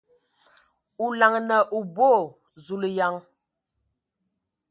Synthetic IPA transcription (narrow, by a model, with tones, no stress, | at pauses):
u˨la˨ŋnə˨ʔu˨bo˦˨ | zu˨lə˨ja˨ŋ